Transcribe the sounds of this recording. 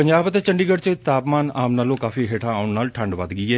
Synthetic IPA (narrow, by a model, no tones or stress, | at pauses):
əɲd͡ʒaːbt̪eːt͡ʃəɳɖiːɡəɽt͡ʃət̪aːpmaːnaːmnaːlõːkaːfiːɦeːʈʰãːaːʊɳnaːlʈʰəɳɖʋəd̪ɡəiːɛː